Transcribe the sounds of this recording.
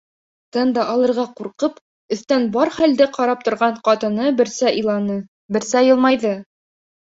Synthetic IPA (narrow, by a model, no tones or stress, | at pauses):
t̪ɤnd̪ɑʔːlˠɤ̆ɾʁɑquɾqɤp | ɵ̆θt̪ænbɑɾχæld̪ɘqɑɾɑp̚t̪ŏɾʁɑɴqɑt̪ɤ̆nɤbɘ̆ɾsæʔɤ̆jlˠɑnɤ | bɘ̆ɾsæjɤ̆lˠmɑjðɤ